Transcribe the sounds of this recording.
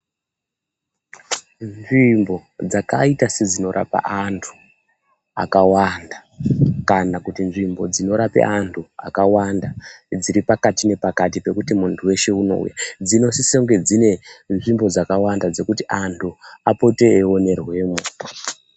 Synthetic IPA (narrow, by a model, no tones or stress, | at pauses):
nʐimbo̞d͡zaka̰itased͡zino̞ɾʔa̰pa̰ʔantʰu̥ | a̰kawandakanakutinʐimbo̞d͡zino̞ɾapḛʔantʰua̰kawandad͡ziɾipakatine̞pakatipe̞kutimuntʰuwe̞ʃe̞uno̞̰ṵjad͡zino̞sisoŋɡe̞d͡zine̞nʐimbo̞d͡zakawandad͡ze̞kutiʔantʰuapo̞te̞ːwo̞ne̞rwe̞ːmu